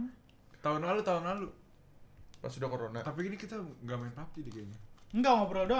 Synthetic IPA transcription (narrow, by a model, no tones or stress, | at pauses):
t̪aʊnlalut̪aʊnlalu | pastudakoɾonat̪ap̬iiːnikit̪aŋɡamaɪnpap̚t̪idiɡaɲaŋɡaŋabəɾodo